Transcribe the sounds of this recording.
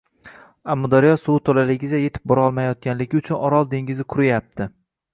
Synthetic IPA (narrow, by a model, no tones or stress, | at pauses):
amːʊd̪aɾijɒsuwt̪ʰolalɪɡʲɪd͡ʒaje̞t̪ʰɪ̥p̚bɒɾɒlˠmajɒt̪̚kʲanlɪɡʲɪʊt͡ʃʰʊnɒɾɒlˠd̪e̞ŋɡʲɪzɪkʰʊɾɪjap̚t̪ʰɪ